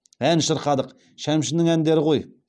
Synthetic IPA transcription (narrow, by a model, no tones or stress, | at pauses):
ænʃəɾqɑd̪əq | ʃæmʃɪnɪŋænd̪e̞ɾɪqo̞j